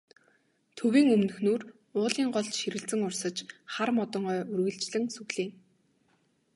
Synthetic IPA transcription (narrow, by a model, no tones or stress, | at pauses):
t̪ʰɵwiːŋɵmnɵ̆xnuːr | ʊːɮiːŋɢɔɮt͡ɕʃiɾɘ̆ɮt͡sɘ̆ŋʊrsə̆t͡ɕχarmɔt̪ɞ̆ŋœːurɣɘ̆ɮt͡ɕɮɘ̆ŋsɵɣɮiːŋ